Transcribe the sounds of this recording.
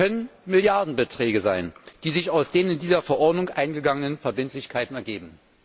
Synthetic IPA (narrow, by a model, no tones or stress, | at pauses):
kœnənmɪljaɐdn̩bətʁ̥ɛːɡəzaɪnd̥iːzɪçaʊsd̥eːnɪndiːzɐfɛɐʔɔɐdnʊŋʔaɪnɡəɡaŋənənfɛɐbɪntʰlɪçkʰaɪtn̩ɛɐɡeːbm̩